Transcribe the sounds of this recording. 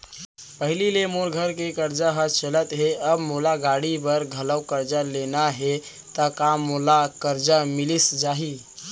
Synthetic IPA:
pəɦililemoɾɡʱəɾkekəɾd͡ʒaɦət͡ʃələt̪ɦeəbmolaɡaɽibəɾɡʱələwkəɾd͡ʒalenaɦe | t̪əkamːolakəɾd͡ʒamɪlisd͡ʒaɦi

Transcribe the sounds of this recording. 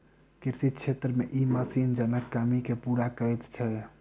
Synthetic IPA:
kiɾsit̪̚t͡ʃʰet̪ɾəmeʔiməsind͡ʒənəkːamikepuɾakəjt̪t͡ʃʰɛ

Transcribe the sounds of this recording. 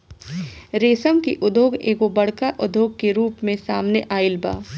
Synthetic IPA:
ɾeːsəmkiʔʊd̪ʱoːɡeːkobɐɽ̤kaʔʊd̪ʱoːɡ̚keɾuːpmẽsaːmneʔaːɪlba̰ː

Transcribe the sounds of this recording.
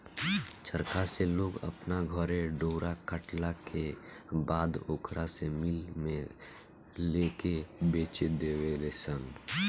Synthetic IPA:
t͡ʃʰəɾkaseloːɡə̰pnaɡʱəɾeɖoːɾakəʈlakebaːd̪okɾasemɪlmẽ | leːkebeːt͡ʃed̪eːwelesən

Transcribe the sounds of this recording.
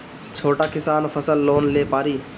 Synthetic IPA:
t͡ʃʰoːʈakɪsaːnpʰəsəlːoːnleːpaːɾiː

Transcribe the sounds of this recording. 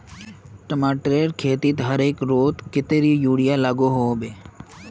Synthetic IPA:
ʈəmaːʈɾeːɾkʰeːt̪iːt̪ɦəɾeːkɾoːt̪kɪt̪eːɾiːjuːɽijalaɡoɦoːbeː

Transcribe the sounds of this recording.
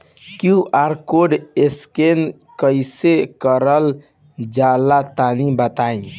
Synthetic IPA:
kjuʔaɾkoɖesken | kəɪsekəɾəl | d͡ʒalat̪anibət̪aĩ

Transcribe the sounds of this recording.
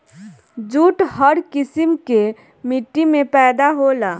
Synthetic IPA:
d͡ʒuːʈhəɾkɪsimke | miʈːimẽpɛːd̪aɦolaː

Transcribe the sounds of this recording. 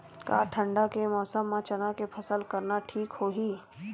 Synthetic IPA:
ka̰ʈʰə̃ɳɖakemɔːsəmːãt͡ʃənakepʰəsəlkəɾnaʈʰiːkhoːɦiː

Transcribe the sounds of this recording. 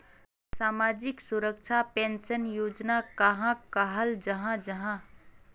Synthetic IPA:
saːmaːd͡ʒɪksʊɾəkt͡ʃʰapẽːnsənjoːd͡ʒnakəɦãkəɦəld͡ʒɐɦãd͡ʒɐɦã

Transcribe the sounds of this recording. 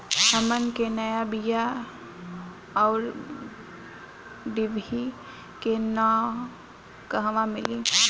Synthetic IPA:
həmənkenəjabija | ɔːɾ | ɖibʱi | kenɔ | kəɦʋamɪli

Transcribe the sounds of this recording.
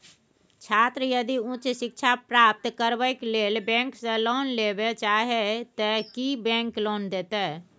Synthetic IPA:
t͡ʃʰaːt̪ɾəjəd̪iũt͡ʃʃɪk̚ʃʰapɾaːp̚t̪kəɾwəjkleːlbɛ̃ːŋksẽloːnleːbet͡ʃaːɦet̪əkibɛ̃ːŋkloːnd̪eːt̪eɛ

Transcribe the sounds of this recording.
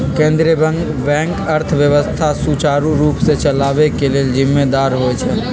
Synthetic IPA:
kẽːnd̪ɾiəbə̃ŋɡ | bɛ̃ːŋkəɾt̪ʰʋjəʋəst̪ʰasut͡ʃaːɾuɾuːpset͡ʃəlaːʋekeleːld͡ʒɪmːed̪aːɾɦoɛt͡ʃʰɛ

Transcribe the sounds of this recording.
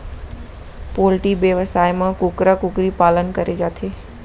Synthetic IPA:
poːlʈibjəʋəsaːjmãkʊkɾəkʊkɾipaːlənkəɾed͡ʒaːt̪ʰeː

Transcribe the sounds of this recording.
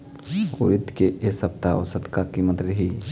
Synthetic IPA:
ʊ̰ɾɪt̪keʔesɐp̚t̪aɔ̰ɾsɐd̪kakimət̪ɾəɦiː

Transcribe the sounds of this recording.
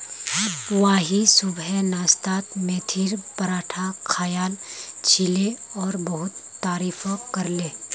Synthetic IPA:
waɦisʊbɛnaːst̪aːt̪mẽːt̪ʰiːɾpəɾaːʈʰakʰaːjaːlt͡ʃʰileɔːɾbəɦʊt̪ːaːɾiːfʰkɐɾleː

